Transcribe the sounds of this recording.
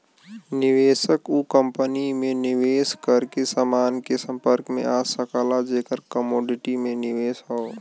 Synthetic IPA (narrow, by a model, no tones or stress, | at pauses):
nɪʋeːsəkukə̃mpənimẽnɪʋeːskəɾkesaːmaːnkesə̃mpəɾkmḛ̃ʔaːsəkaːlad͡ʒeːkəɾkəmoːɖɪʈimẽnɪʋeːsɦao